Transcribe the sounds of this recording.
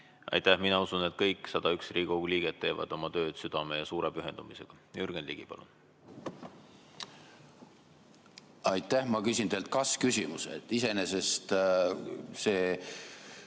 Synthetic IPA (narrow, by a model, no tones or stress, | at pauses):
ʔɑ̰jt̪æhminɑusunet̪̚kɤjkːˑsɑd̪̥ɑyksriːɡ̥uɡuliːɡ̥et̪ːe̞ːvɑ̰d̪̥o̞mɑt̪ø̞ːd̪̥syd̪̥ɑme̞jɑsuːɾepyɦe̞nd̪̥umise̞ɡ̥ɑjyɾɡ̥enliɡ̥ipɑ̰lṵn | ɑjt̪ːˑæhmɑkysʲind̪eːlt̪̚kɑskysimusḛt̪ːˑisenese̞st̪ | seː